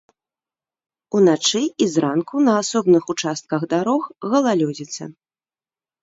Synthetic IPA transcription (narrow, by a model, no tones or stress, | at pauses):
unat͡ʂɨizɾankunɐasɔbnɨxut͡ʂast̪̚kɐɣd̪aɾɔxɣɐlˠalʲɔd͡zʲit̪sɐ̰